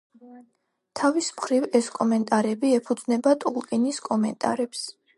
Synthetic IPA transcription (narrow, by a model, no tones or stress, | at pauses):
t̪ʰavismχɾivɛskʼɔmɛnt̪ʼaɾɛbiɛpʰud̪znɛbat̪ʼulˠkʼiniskʼɔmɛnt̪ʼa̰ɾɛps